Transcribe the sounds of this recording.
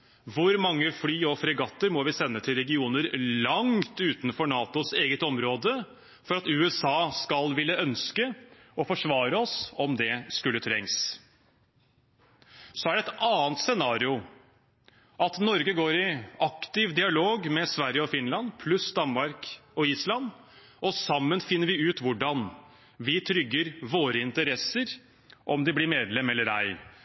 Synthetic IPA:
ʋʊɾmɑŋːəflyːɔfɾɛɡɑt̪ːəɾmɔʋɪsɛnːət̪ʰɪlɾɛɡɪuːnəɾlɑŋt̪ʉːt̪nfɔɳɑːt̪ʊseːɡət̪ɔmɾoːd̪ə | fɔɾɑt̪ʉːɛsɑːskɑlʋɪlːəœnskə | ɔfɔʂʋɑːɾəɔsɔmd̪ɛskʉlːət̪ʰɾɛŋs | sɔæɖɛt̪ɑːnt̪sɛnɑːɾɪʊ | ʔɑt̪nɔɾɡəɡoːɾɪɑkt̪ɪʋd̪ɪɑloːɡmɛsʋæɾjəɔfɪnlɑnpʰlʉsd̪ɑnmɑɾkɔiːslɑn | ʔɔsɑmːənfɪnːəɾʋɪʉːt̪ʋʊɖɑn | ʋɪt̪ʰɾʏɡːəɾʋoːɾəɪnt̪əɾɛsəɾ | ʔɔmd̪ɪblɪɾmeːd̪lɛmɛlːəɾæ̰ɪ

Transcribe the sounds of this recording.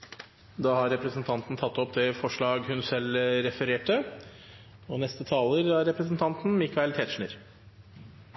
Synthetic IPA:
d̪ɑːhɑɾɛpɾəsn̩t̪ʰɑnt̪n̩t̪ʰɑt̪ːɔpd̪ɛfɔʂɭɑːɡhʉnsɛlɾɛfəɾeːʈə | ɔnɛst̪ət̪ʰɑːləɾɑɾɾɛpɾəsn̩t̪ʰɑnt̪n̩mikɑɛlt̪ʰɛt̪ʂɳəɾ

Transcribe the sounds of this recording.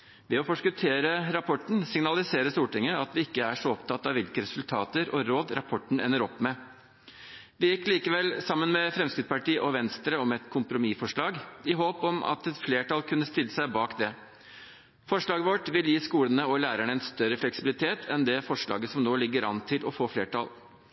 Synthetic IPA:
ʋɛɔfɔʂkʉt̪ʰeːɾəɾɑpʰɔʈɳ̩sɪŋnɑlɪseːɾəst̪uːʈɪŋːəɑt̪ʋɪɪkːəæʂɔɔpt̪ʰɑt̪ːɑʋɪlkəɾɛsʉlt̪ʰɑ̰ːt̪əɾɔɾoːd̪ɾɑpʰɔʈːɳ̩ɛ̰nːəɾɔpːmɛ | ʋɪjɪkːliːkəʋɛlsɑmːənmɛfɾɛmskɪt̪spɑʈiːʔɔʋɛnst̪ɾəɔmɛt̪kʰʊmpɾʊmifɔʂɭɑːɡɪɦoːpɔmʔɑ̰t̪ɛt̪fleːʈʰɑlkʰʉnːəst̪ɪlːəsæɪbɑːkd̪ɛ | fɔʂɭɑːɡəʋɔʈʋɪljiːskuːlənəɔlæːɾæɳəɛnst̪œɾəflɛksɪbɪlɪt̪ʰeːt̪ʰɛnd̪ɛfɔʂɭɑ̰ːɡəsɔmnoːlɪɡːəɾɑ̰nt̪ʰɪlʔɔfoːfleːʈɑ̰l

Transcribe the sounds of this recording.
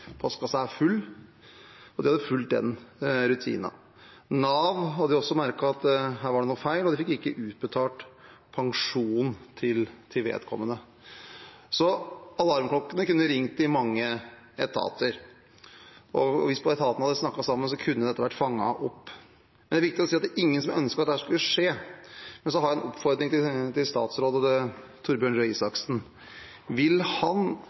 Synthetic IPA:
pʰɔskɑsææfʉlː | ɔd̪ɪhɑd̪ːəfʉlt̪̚d̪ɛ̰nɾʉt̪ʰḭːnɑ̰ | nɑːʋɦɑd̪ɪɔsːɔmæɾkɑɑt̪ɦæːɾʋɑɖɛnuːfæɪlɔd̪ɪfɪkːɪkːəʔʉːt̪̚bət̪ʰɑːʈ | pʰɑŋʂuːnt̪ʰɪlt̪ʰɪʋḛːd̪kʰɔmːənə | sɔɑlːɑɾmklɔkːənəkʉnːəɾɪŋt̪ɪmɑŋːə | ɛt̪ʰɑ̰ːt̪ʰəɾ | ʔɔʋɪspʰɔɛt̪ʰɑːt̪ən̩ɑd̪əsnɑkːɑsɑmːənsɔkʰʉnːəd̪ɛt̪ːəʋæʈːfɑŋːɑ̰ʔɔpː | mɛnæɾʋɪkt̪ɪːɔsiːɑt̪d̪æɾʔɪŋːənsɔmœnskəɑt̪d̪ɛhæːʂkʉlːəʂeːmɛnsɔhɑɾjɑɛnʔɔpːfɔɾd̪ɾɪŋt̪ɪt̪ɪlst̪ɑ̰ːt̪sɾoːd̪əd̪ɛt̪ʰʊɾbjøːɳɾɛɪsɑksn̩ | ʋɪlhɑn

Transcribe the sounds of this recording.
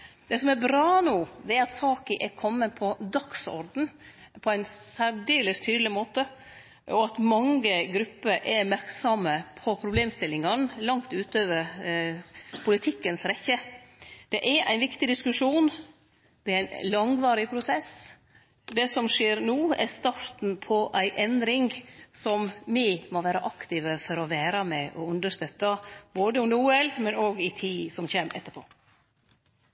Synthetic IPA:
d̪̥ɛsɔmɛɾbɾɑːnuːd̪ɛɑt̪sɑːkɪʔɛɾkʰɔmːənpʰɔd̪ɑksɔ̰ɾd̪n̩ | pʰɔæɪnsæɖyːlɪst̪ʰyːd̪lɪmoːt̪ə | ʔɔɑt̪mɑŋəɡɾʉpːəɾʔɛmæɾksɑməpʰɔpʰɾʊbleːmst̪ɪlːɪŋɑnlɑŋt̪ʉːt̪øːʋəɾ | pʰʊlɪt̪ʰɪkːənsɾɛçəd̪̥ɛʔɛɾæ̰ɪnʋɪkt̪ɪd̪ɪskʉʂuːn | d̪̥ɛɾæɪnlɑŋʋɑːɾɪpʰɾʊsɛs | d̪ɛsɔmʂeːɾnuːæ̰st̪ɑɾt̪n̩pʰɔʔæɪʔɛnd̪ɾɪŋsɔmmimoʋæːɾɑʔɑkt̪ɪʋəfɔɾɔʋæːɾɑmɛʔɔʉnd̪əʂt̪œt̪ːɑboːd̪əʊmd̪əɾuːɛlmɛnoːɡɪt̪ʰiːsɔmçeːmɛt̪ːəɾpʰo̰ː

